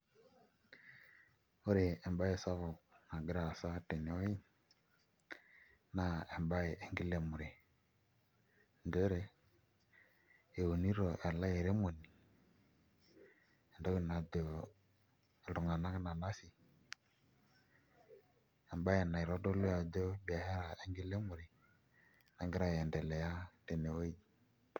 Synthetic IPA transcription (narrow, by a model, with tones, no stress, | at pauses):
o˦ɾɛ˨ɛ˨mba˦jɛ˨sa˦vɔ˨kna˨ɡɾa˨sa˦tɛ˨ne˨˦ɔ˦i˦ | na˦˨ɛ˨mba˦e˨e˨ŋɡi˦lɛ˨mu˨ɾɛ˨ | ndɛ˦ɾɛ˨ | e˨wo˨ni˦ɾɔ˨ʔa˨la˦jɛ˨ɾe˦mo˨ni˨ | ɛ˨ndɔ˦i˨na˨d̪ɔ˨ | ɛ˨lɔ˨ŋa˨na˦kna˨na˦si˨ | ɛ˨mba˦jɛ˨na˨i˨ɾɔ˦dɔ˦lʊ˦a˨dɔ˦bi˨a˨hɛ˦ɾa˨ɛ˦ŋɡi˦lɛ˦mʊ˨ɾɪ˨ | na˨ŋɡɪ˦ɾa˦˨ɛ˨ndɛ˨lɛ˨ja˦dɛ˨nɛ˨wo˦˨